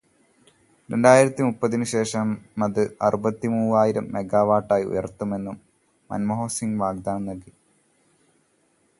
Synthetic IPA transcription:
ɾe̞ɳɖaːjiɾɐt̪ːimupːɐðinɨɕe̞ːʂɐmːɐðɨɐ̰rubɐt̪ːimuːaːjiɾɐmːe̞ɡaːʋaːʈːaːjiṵjɐ̰rt̪ːume̞nːumː | ɐ̰nmɐɦo̞ːsiŋɡʋaːɡ̚d̪aːnɐnɐɡi

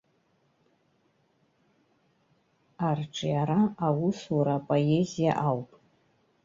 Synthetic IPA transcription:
arʈ͡ʂʰʼɨjaɾaawʊsuɾapʼoezija̰ʔawpʼ

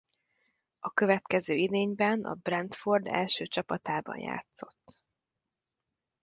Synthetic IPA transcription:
ɒkø̞vɛt̪kɛzøːid̪eːɲbɛnɒ̰brɛnt̪fo̞rd̪ɛ̰lʃøːt͡ʃɒpɒt̪aːbɒ̰nja̰ːt̪so̞̥̰t̪ː

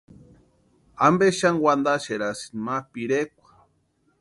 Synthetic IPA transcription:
ambeʃaŋwand̪aʃeɾasi̥nmapiɾekʷḁ

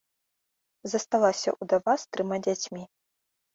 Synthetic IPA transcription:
zɐst̪alˠasʲɐ̰ʔud̪avast̪ɾɨmad͡zʲat͡sʲmʲi

